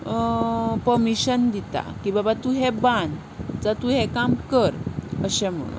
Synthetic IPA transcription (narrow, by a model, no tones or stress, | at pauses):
pəɾmiɕənd̪it̪a̰kibabat̪uɦeban | d͡zat̪uɦekamkəɾəɕem̤ə̰ɽṵ